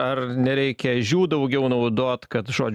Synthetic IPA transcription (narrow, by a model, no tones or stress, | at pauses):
ɐɾnʲɛɾʲɛɪkʲɛʒʲuːd̪ɐʊɡʲɛʊnɐʊd̪oːt̪kɐt̪ʒo̰ːd͡ʒʲ